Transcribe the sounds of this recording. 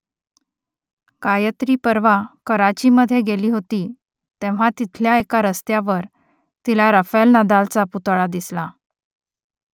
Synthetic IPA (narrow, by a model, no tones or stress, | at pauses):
kajət̪ɾiːpəɾʋakəɾat͡ɕiməd̪ʱːjeɡeliːɦot̪iː | t̪ẽʋ̤at̪it̪ʰljaekaɾəst̪jaʋəɾ | t̪ilaɾəfelnəd̪alt͡saput̪ɭad̪isla